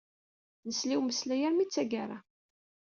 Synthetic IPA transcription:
nəsliwməslæjæɾmit͡sːæɡaɾˤa

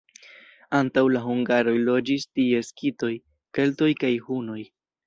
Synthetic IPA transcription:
antawlaɦuŋɡaɾo̞jlo̞d͡ʒistie̞skito̞j | ke̞lto̞jkajhuno̞j

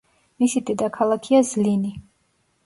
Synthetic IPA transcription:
misid̪ɛd̪akʰalˠakʰiazlini

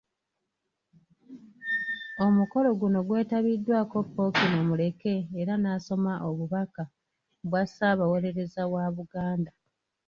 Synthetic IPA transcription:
o̞muko̞lo̞ɡuno̞ɡwe̞ːtaβidːwaːko̞pːo̞kino̞mule̞ke̞ːɾanaːso̞maʔo̞βuβaka | bwasaːβawo̞ɾe̞ɾe̞zawaβuɡaːnda

